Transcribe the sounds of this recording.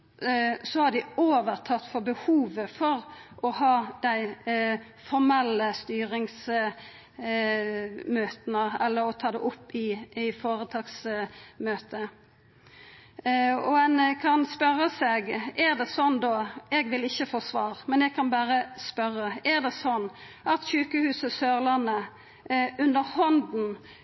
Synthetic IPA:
sɔhɑd̪ɪoːʋəʁt̪ʰɑt̪ːfɔɾbəhuːʋəfɔɾʔɔhɑːd̪̥æɪ | fɔɾmɛlːəst̪yːɾɪŋs | møːt̪nəɛlːəɾɔt̪ʰɑːd̪ɛʔʊpːɪfoːɾət̪ʰɑːɡsmøːt̪ə | ɔɛnkʰɑnspœɾəsɛɡæʁd̪ɛsɔnd̪ɔɛɡʋɪlɪçːəfoːsʋɑːʁmɛnɛɡ̚kʰɑnbæːɾəspœɾːəæʁd̪ɛsɔnː | ɑt̪çʉːkəhʉːsəsøːʁlɑnə | ʉnd̪əɾhɔnd̪n̩

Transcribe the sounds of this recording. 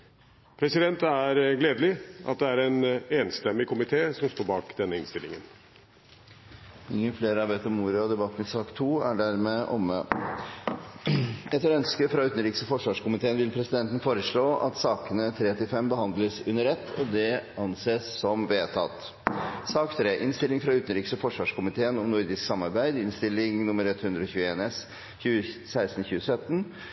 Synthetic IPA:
pʰɾɛsɪd̪ɛnt̪æɾɡleːd̪əlɪʔɑ̰t̪̚d̪ɛæɾɛneːnst̪ɛmːɪkʰʊmɪt̪ʰeːsɔmst̪oːɾbɑːkd̪ɛnːəɪnst̪ɪlɪ̰ŋən | ɪŋːənfleːɾəɑɾʋɛt̪ːɔmːuːɾɑɔd̪ɛbɑːk̪mɛsɑːkt̪ʰuːæɖæɾmɛʔɔmːə | ɛt̪ːəɾœnskəfɾɑʉːt̪nɾiːksəfɔʂʋɑːʂkʊmɪt̪eːənʋɪlpʰɾɛsɪd̪ɛnt̪ən̩foːɾəʂɭoːʔɑ̰t̪sɑːkənət̪ʰɾeːt̪ʰɪlfɛmbəɦɑnd̪ləsʉnəɾɛt̪ːɔd̪ɛɑnseːssɔmʋeːt̪ʰɑ̰t̪ | sɑːkt̪ʰɾeːʔɪnst̪ɪlːɪŋfɾɑʉːt̪nɾiːksɔfɔʂʋɑːʂkʊmɪt̪ʰeːənɔmnʊɾd̪ɪsksɑmːɑɾbæɪd̪ɪnst̪ɪlːɪŋnʊmːəɾɛt̪hʉnd̪ɾəɔçʉːəeːnɛs | çʉːəsæɪst̪n̩çʉːəsœt̪ːn

